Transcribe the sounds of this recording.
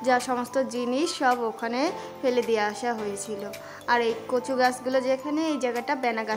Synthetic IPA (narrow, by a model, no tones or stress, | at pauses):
d͡ʑaʃɔmost̪od͡ʑiniʃːɔbokʰane | feled̪ijaaʃaɦojet͡ɕʰilo | aɾejkot͡ɕuɡasɡulod͡ʑekʰaneejd͡ʑajɡaʈabɛnaɡa